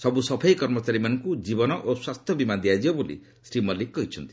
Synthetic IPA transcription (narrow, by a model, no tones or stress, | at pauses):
sɔbusɔpʰajkɔɾmɔt͡ʃaɾimanɔŋkud͡ʒibɔnɔʔoswast̪ʰjɔbimad̪iad͡ʒibɔbolḭ | sɾimɔlikkːɔɦit͡ʃʰɔnt̪i̥